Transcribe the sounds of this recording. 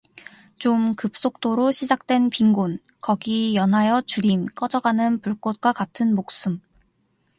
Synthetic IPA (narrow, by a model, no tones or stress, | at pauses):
t͡ɕomkɯp̚s͈ok̚t͈oɾoɕʰid͡ʑak̚t͈we̞npiŋɡon | kʌɡijʌnɦajʌt͡ɕuɾimk͈ʌd͡ʑʌɡanɯnpuɭk͈ot̚k͈wakatʰɯnmok̚s͈um